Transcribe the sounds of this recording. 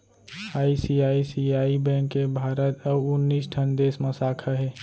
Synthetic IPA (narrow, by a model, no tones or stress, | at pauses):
aːisiaːisiaːibɛ̃ŋkːebʱaːɾət̪əʊnːiːsʈʰənd̪eːsməsaːkʰaɦɛː